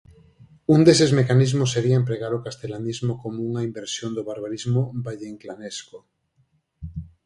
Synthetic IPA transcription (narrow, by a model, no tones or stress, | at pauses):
und̪esezmekanizmosːeɾiaempɾeɣaɾokast̪elanizmokomouŋaimbeɾsjond̪oβaɾβaɾizmobaʎeŋklanesko